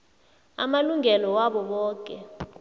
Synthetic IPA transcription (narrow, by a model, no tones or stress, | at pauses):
a̰maluŋɛlɔwaɓɔɓɔːk̬ʼɛ̰